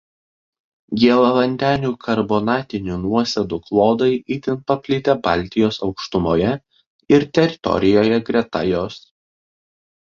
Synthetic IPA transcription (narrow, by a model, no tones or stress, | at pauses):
ɡʲiɛlˠɐʋɐnʲd̪ʲæːnʲuːkʰɐɾboːnɑːt̪ʲɪnʲuːnuɔsʲɛd̪uklˠoːd̪ɐɪʔiːt̪ʲɪnpɐpʲlʲɪt̪ʲɛbɑˑlʲt̪ʲɪjoːsɒʊkʃt̪ʊmoːjɛ | ɪɾt̪ʲɛɾʲɪt̪ɔ̰ɾʲɪjoːjɛɡɾʲɛt̪ɐjoːs